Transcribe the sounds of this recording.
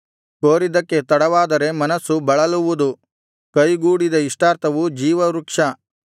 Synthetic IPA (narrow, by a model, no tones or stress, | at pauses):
koːɾid̪ɐkːe̞t̪ɐɽɐʋaːd̪ɐɾe̞mɐnɐsːubɐɭɐluʋud̪u | kɐjɡuːɽid̪ɐiʂʈaːɾt̪ʰɐʋud͡ʒiːʋɐɾukʂɐ